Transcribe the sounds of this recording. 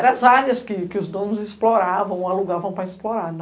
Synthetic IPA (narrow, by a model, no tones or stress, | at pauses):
ɛɾɐ̃azaɾɐskɪkɪʊzd̪õnʊzɪsploɾavɐ̃w̃aluɡavɐ̃w̃pɾɐisploɾaɾn